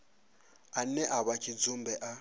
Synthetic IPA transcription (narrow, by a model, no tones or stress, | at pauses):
an̩nɛʔaβakʰʼid͡zumbɛʔa